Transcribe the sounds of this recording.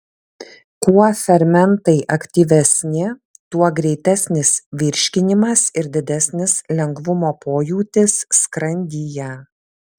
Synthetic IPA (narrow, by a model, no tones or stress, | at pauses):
kuɔfʲɛɾʲmʲɛnt̪ɐɪʔɐkt̪ʲiːʋʲɛsʲnʲɪ | t̪uɔɡɾʲɛɪt̪ʲɛsʲnʲɪsʋʲɪɾʲʃʲkʲɪnʲɪmɐsɪɾd̪ʲɪd̪ʲɛsʲnʲɪslʲɛŋɡʋʊmoːpʰoːjuːt̪ʲɪsːkɾɐnʲd̪ʲijɛ